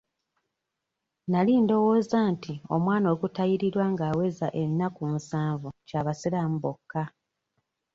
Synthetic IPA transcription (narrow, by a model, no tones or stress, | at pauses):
naliːndo̞wo̞ːzaːntio̞mwaːno̞ːɡutajiɾiɾwaŋɡaːwe̞zaʔe̞nːakumusaːɱvucaːβasilamubokːa